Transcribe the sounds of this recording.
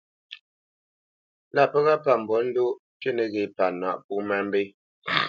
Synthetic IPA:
la˦˨pə˦ɣa˦pa˨m̩˨bɔ˨˦n̩˦do˦ | te˦˨ne˨ɣe˨pa˨na̰˨ʔp̚u˦mɛ˦m̩˦be˦

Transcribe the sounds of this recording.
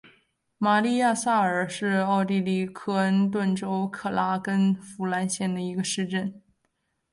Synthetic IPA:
ma˨˩li˥˧ja˥˧sa˥˩ə˞˨˩ʂɻ̩˥˧ɑ˥˧ʊt̪i˥˧li˥˩kʰɤ˥ə˥nt̪̬wə˥˩nʈ͡ʂo˥ʊkʰɤ˥˩la˥kə˥nfu˧˥la˧˥nɕjɛ˥˩nd̪ə˩i˧˥ɡə˧ʂɻ̩˥˧ʈ͡ʂə˥˩n

